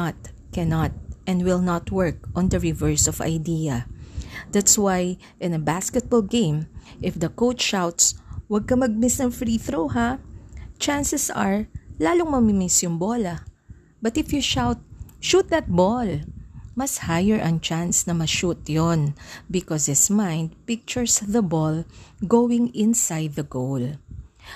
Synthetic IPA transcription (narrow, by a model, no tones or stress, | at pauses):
t̪̚kɛnɐt̪̚ʔɛ̃nd̪wɪlˠnɐt̪wɛɹk̚ʔɔ̃nd̪ɐɹɪvɛɹsɔvɐ̰jd̪iɐ | d̪̥at̪swaj | ʔɪ̃nɐbaskɛt̪̚bɔlɡẽjmʔɪfd̪ɐkowtʃawt̪swɐɡ̚kɐmɐɡ̚mɪsnɐŋfɾiθɾowɦa | t͡ʃansɛsɐ̰ɹlaːloŋmɐmimɪsjʊŋbɔlɐ | bɐt̪ɪfjuʃawt̪̚ʃut̪̚d̪ɐt̪̚bɔlmɐshajɛɹʔɐŋt͡ʃansnɐmɐʃut̪jonbɪkɔshɪtsmãjnd̪̚pɪk̚t͡ʃʊɹsðɐbɔlɡowɪŋɪ̃nsajd̪̚ːɐɡol